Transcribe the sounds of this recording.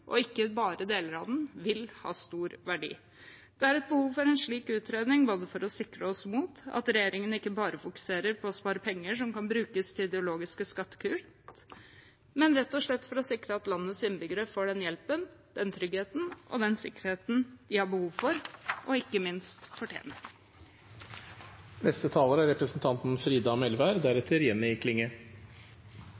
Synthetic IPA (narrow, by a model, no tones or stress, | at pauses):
ʔɔ̰ɪkːəbɑːɾəd̪eːləɾɑʋd̪n̩ʋɪlhɑ̰ːst̪uːɾʋæɖḭː | d̪̥ɛæɾɛt̪̚bəhuːʋfɔɾɛnʂɭiːkʉːt̪ɾeːd̪nɪŋboːd̪əfɔɾɔsɪkɾəɔsmuːt̪ɑ̰t̪ɾɛjeːɾɪŋənɪkːəbɑːɾəfʊkʉ̥seːɾəɾpʰɔɔspɑːɾəpʰɛŋːəʂɔmkɑnbɾʉːkəst̪ʰɪɪd̪ɛʊloːɡɪskəskɑt̪ːə̥kʰʉː | mɛnɾɛt̪ːɔʂɭɛt̪ːfɔɾɔsɪkɾəɑt̪lɑnːəsɪnbʏɡɾəfoːɖɛnjɛlpənd̪̥ɛnt̪ʰɾʏɡheːt̪n̩ʔɔ̰d̪ɛnsɪkːəɾheːt̪nd̪̥ɪhɑɾbəhuːʋfɔɾʔɔɪkːəmɪnst̪fɔʈʰjḛːnə | nɛst̪ət̪ʰɑːləɾæɾɛpɾəsnt̪ʰɑnt̪n̩fɾiːd̪ɑmɛlʋæːɾd̪æɾɛt̪ʰəɾjɛnːɪɪkʰlɪŋə